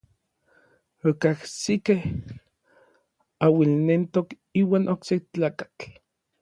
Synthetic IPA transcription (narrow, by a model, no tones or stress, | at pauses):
okahsikeh | awilnent̪ok | iːwaːnʔokseht͡ɬaːkḁt͡ɬ